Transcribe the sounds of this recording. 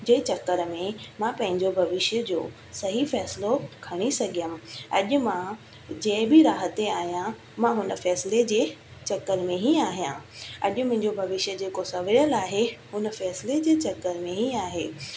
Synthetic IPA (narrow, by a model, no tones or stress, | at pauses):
d͡ʑeːt͡ɕɐkːəɾmẽmãpɐ̃ɦɪ̃ɲd͡ʑobʱɐʋɪʃjəd͡ʑo̰ː | sɐɦifɛːsɪlokʰɐɽ̃isɐɡʱijəmɪ̆ɐ̰ʄʊ̆mã | d͡ʑɐ̃ːbʱiɾaːɦət̪eaːɦijã | mãɦʊnəfɛːsɪled͡ʑeːt͡ɕɐkːəɾmẽɦiaːɦijã̰ɐ̰ʄʊmʊ̃ɦɪ̃ɲd͡ʑobʱɐʋɪʃjəd͡ʑeːkosɐʋɪɾəlaːɦeɦʊnəfɛːsɪled͡ʑeːt͡ɕɐkːəɾmẽɦiaːɦeː